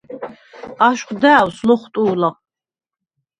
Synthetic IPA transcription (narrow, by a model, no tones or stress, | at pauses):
aʃqʷd̪aːwslɔχʷt̪ʼuːlaq